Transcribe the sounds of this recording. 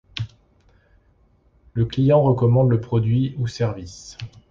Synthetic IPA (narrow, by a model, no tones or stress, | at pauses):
ləklijɑ̃ʁəkɔmɑ̃d̪ləpχɔd̪ɥiusɛʁvis